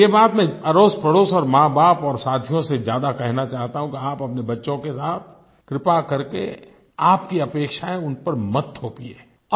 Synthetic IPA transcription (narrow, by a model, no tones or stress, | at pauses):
jebaːt̪mɛ̃ɐɾoːspɐɽoːsɔːɾmãːbaːpɔːɾsaːd̪ʰʱjõsezjaːd̪akɛɦnat͡ʃaːɦt̪aɦũkiaːpɐpnebɐtːʃõkesaːt̪ʰ | kɾɪpakɐɾkḛ | aːpkiɐpeːkʃaẽʊnpɐɾmɐt̪ːʰoːpieː